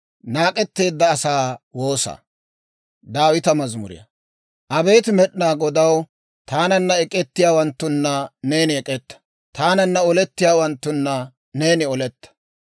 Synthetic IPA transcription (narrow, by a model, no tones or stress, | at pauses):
naːkʼɛt̪ːe̞ːd̪ːɐːsaːwo̞ːsɐ̰ | d̪aːwɪt̪ɐmɐzmʊ̰ɾɪ̰jɐ̰ | ʔɐbe̞ːt̪mɛɗnaːɡɔd̪ɐw | t̪aːnɐnːɐɛkʼɛt̪ːɪjaːwɐnt̪ːʊnːɐne̞ːnɪɛkʼɛt̪ːɐ̥ | t̪aːnɐnːɐɔlɛt̪ːɪjaːwɐnt̪ːʊnːɐ | ne̞ːnɪɔlɛt̪ːɐ̥